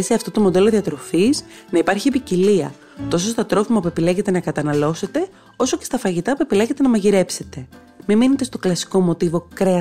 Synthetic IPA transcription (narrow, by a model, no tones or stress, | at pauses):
seɐft̪o̞t̪omo̞d̪e̞lo̞ðiɐt̪ɾo̞fiznɐipɐɾçie̞piciliɐ̰ | t̪o̞sost̪ɐt̪ɾo̞fimɐpue̞pileʝe̞t̪e̞nɐkɐt̪ɐnɐlo̞se̞t̪e̞ | o̞soce̞st̪ɐfɐʝit̪ɐpue̞pileʝe̞t̪e̞nɐmɐʝiɾe̞pse̞t̪e̞ | mimine̞t̪e̞st̪o̞klɐsi̥ko̞mo̞t̪ivo̞kɾe